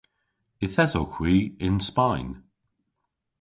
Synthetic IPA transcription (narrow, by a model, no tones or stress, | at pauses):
ɪθɛzowxʰwiːɪnspajn